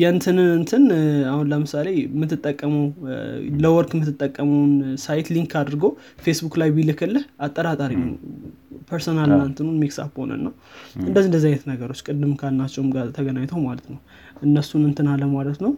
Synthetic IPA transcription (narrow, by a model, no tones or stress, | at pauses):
jant̪ʰɨnɨɨnt̪ʰɨnahunləmɨsale̞mːɨt̪ːɨt̪ʼːəkʼːəməwləwɔɾkʰʼɨmːɨt̪ːɨt̪ʼːəkʼːəməwnsajt̪liŋkʰːad̪ɾɡow | fesbukʼlajbilɨkʰːɨlːɨhat̪ʼːəɾat̪ʼaɾinən̰wpʰəɾsonalnant̪ʰɨnunmiksa̰fho̰nə̰nːawɨnd̪əzːiɨnd̪əzːajnət̪nəɡəɾo̞t͡ʃːkʼɨd̪ːɨmkʰalnat͡ʃʼːɛwmɡat̪ʰəɡənaɲt̪ʰəwmalət̪nəw | ʔɨnːəsunɨnt̪ʰɨnaləmalət̪nəw